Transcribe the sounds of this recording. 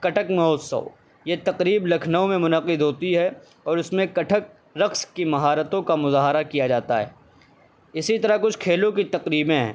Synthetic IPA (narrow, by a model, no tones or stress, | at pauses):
kɐʈʰəkmɐɦɔːsɐ̰ʊ | jet̪ɐqɾiːblɐkʰnaõmẽmʊnəqɪd̪ʱɦoːt̪iɦɛ | ɔːɾʊsmẽkɐʈʰək̚ | ɾɐqskimɐɦaːɾət̪õkamʊzaːɦɾakijad͡ʒaːt̪aɦɛ̰ː | ɪsit̪ɐɾakʊt͡ʃʰkʰeːlõk̬it̪ɐqɾiːbẽɦɛ̰̃ː